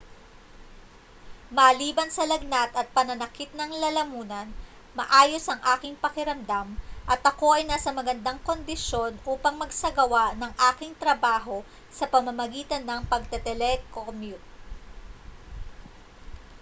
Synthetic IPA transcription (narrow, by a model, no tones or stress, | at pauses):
mɐliːbɐnsɐlɐɡ̚nat̪ɐt̪̚pɐnɐnɐkɪt̪̚nɐŋlɐlɐmuːnɐn | mɐʔaːjo̞sɐŋʔaːkɪŋpɐkɪɾɐmd̪amʔɐt̪ʔɐko̞ʔɐjnaːsɐmɐɡɐnd̪aŋko̞nd̪ɪʃo̞nʔuːpɐŋmɐɡsɐɡɐwaʔnɐŋʔaːkɪŋt̪ɾɐbaːɦo̞ | sɐpɐmɐmɐɡiːt̪ɐnːɐŋpɐɡ̚t̪ɛt̪ɛlɛkomjut̪̚